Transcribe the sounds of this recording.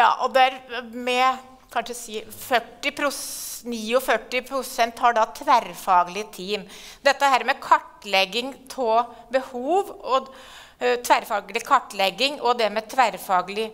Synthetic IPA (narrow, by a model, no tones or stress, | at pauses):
jɑ̰ːʔɔd̪ɛæɾmɛ | kʰɑnʂsiːfœʈːɪpʰɾʊsniːɔfœʈːɪpʰɾʊsɛnt̪hɑɖɑt̪ʰʋæɾfɑːɡəlɪt̪ʰiːmd̪ɛt̪ːəhæːɾmɛkʰɑʈːlɛɡːɪŋt̪ʰɔbəhuːʋɔ | t̪ʰʋæɾfɑːɡlɪkʰɑʈːlɛɡːɪŋɔd̪ɛmɛt̪ʰʋæɾfɑːɡəlɪ